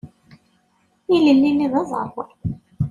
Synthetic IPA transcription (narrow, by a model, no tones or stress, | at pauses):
iləlːinːiðɑzˤə̰ɾˤ